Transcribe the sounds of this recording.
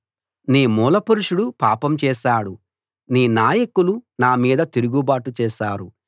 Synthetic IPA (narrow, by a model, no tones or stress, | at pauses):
niːmuːlɐpuɾuʂuɽupaːpɐmt͡ʃɛːʃaːɽu | niːnaːjɐkulunaːmiːd̪ɐt̪iɾuɡubaːʈut͡ʃɛːʃaːɾu